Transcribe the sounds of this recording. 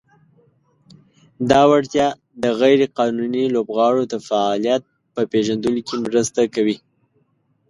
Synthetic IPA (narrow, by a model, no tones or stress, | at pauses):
d̪ɑwaɽt̪jɑ | d̪əɣajɾeqɑnunilobɣɑɽod̪əfaɑlijat̪̚ | pəpeʒand̪əlokemɾəst̪akawi